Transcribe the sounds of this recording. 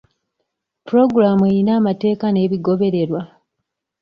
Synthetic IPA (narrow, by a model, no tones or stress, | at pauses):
puɾo̞ɡuɾamuejinaːmate̞ːkane̞ːβiɡo̞βe̞ɾe̞ɾwa